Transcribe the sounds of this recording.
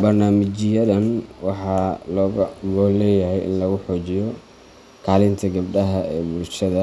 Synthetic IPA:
bɐrnaːmɪt͡ʃɪjɐðɐnwɑħɑːlɔːɣɐmɔːlɛːjɐɦɛjʔɪ̰nlɐɣʊħɔːt͡ʃɪjɔ | kʰaːlɪnt̪ʰɐɡɐbɖɐɦɐɛːbʊlʃɐðɐ

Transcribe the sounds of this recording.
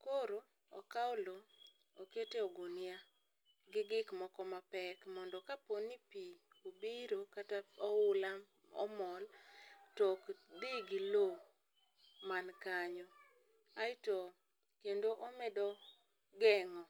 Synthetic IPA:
koɾo | ɔkaʊlo | oketeɔɡonja | ɡɪɡɪkmɔkɔmapɛkmɔndɔkaponipiobiɾokataɔwʊla | ɔ̰mɔltokd̪iɡɪlo | mankaɲɔ | aɪtɔ | kendoʔomɛdɔ | ɡɛŋɔ

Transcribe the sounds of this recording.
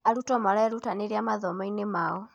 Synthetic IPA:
alutɔmalaɛɾutaniɾjamaðɔmɔinemaɣɔ

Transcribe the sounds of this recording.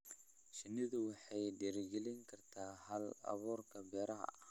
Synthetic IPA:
ʃinidawaħediɾɡiliŋkaɾtahala̰βoɾkabeɾaha̰

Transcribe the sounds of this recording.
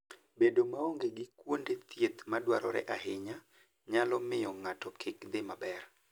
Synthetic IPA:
bedomaoŋɡeɡɪkwondet̪jet̪madwa̰ɾɔ̰ɾɛ̰ʔaɦɪɲa | ɲalɔmɪjɔŋatɔkʰɪkd̪ɪmabɛr

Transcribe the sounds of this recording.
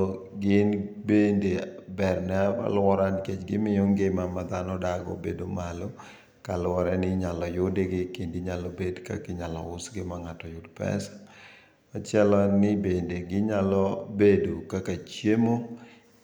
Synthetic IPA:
ɡɪnbendebɛrnɛapa̰lɔɾanket͡ʃɡɪmɪjoŋɡemamad̪anɔdaɡɔ̰bedomalo | kalʊwɔɾɛnɪɲalɔjʊdeɡɪkendiɲalɔbedkakɪɲalɔ̰ʊsɡɪmaŋatɔjʊdpɛ̰sḁ | at͡ʃɛlɔnɪbendeɡɪɲalɔbedokakat͡ʃjemo

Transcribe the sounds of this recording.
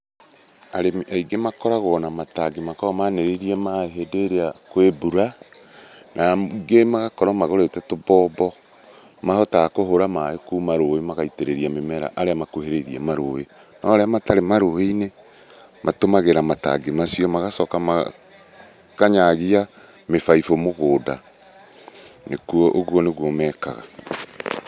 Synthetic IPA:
aɾemaiɡemakɔɾaɣɔːnamataɡemakɔmaneɾeɾiɛmaeɦedeɾeakwebuɾa | nʔaɡemaɣakɔɾɔmaɣoɾetɛtobɔbɔ | mahɔtaakoɦoɾamaekumaɾoemaɣaiteɾeɾiamemɛɾa̰ʔaɾeamakoheɾeɾiɛ̰maɾowe | nɔɾeamataɾemaɾoweine | mʔatomaɣeɾamata̰ɡemasiɔmaɣasɔkama | kaɲaɣia | mefaifomoɣoːda̰ | nekuɔʔoɣwɔneɣwɔmɛːka̰ɣa̰

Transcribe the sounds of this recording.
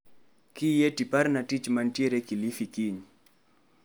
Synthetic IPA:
kijetipaɾnatit͡ʃmantieɾekilifikiɲ

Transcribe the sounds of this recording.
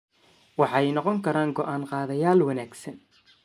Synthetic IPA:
wɑħɑɛjnɔqɔŋkʰɐɾaːŋɡɔʔaːnqɑːðɐjaːlwɐnaːɡsɐn

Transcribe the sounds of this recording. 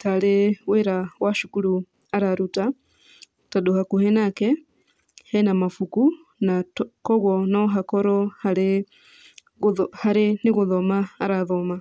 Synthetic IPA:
taleweɾawaʃukuɾu | aɾaɾuta | taɗohakuhɛnakɛ | hɛnamafuku | nakɔɣwɔnɔɦakɔɾɔhae | haɾiniɣuðomaːɾaðoma

